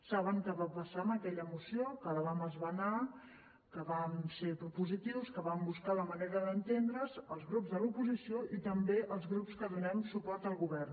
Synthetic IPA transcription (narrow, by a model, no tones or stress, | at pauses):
saβəŋkəβapəsaəməkɛʎəmusiokələβaməzβəna | kəβansepɾupuzit̪iwskəβambuskaləməneɾəðənt̪end̪ɾəzəlˠzɣɾupzðəlupuzisioʔit̪əmbeʔəlˠzɣɾupskəðunɛmsupɔɾt̪əlˠɣuβɛrn